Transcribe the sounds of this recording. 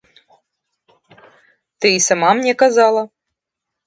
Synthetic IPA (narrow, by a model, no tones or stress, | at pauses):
t̪ɨisamamnʲɛkazalˠa